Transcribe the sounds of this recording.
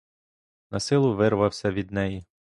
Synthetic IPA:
nɐsɪlˠʊʋɪrʋɐwsʲɐʋʲid̪nɛji

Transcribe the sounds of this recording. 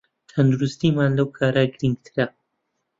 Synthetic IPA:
t̪ʰɐnd̪uɾust̪iːmaːnlɐwkʰaːɾaɡɪɾiŋɡ̚t̪ʰɨɾɐ

